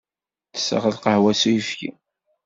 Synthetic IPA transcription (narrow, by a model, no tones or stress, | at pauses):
θə̥sə̰ʁəlqəhwæsujəfkḭ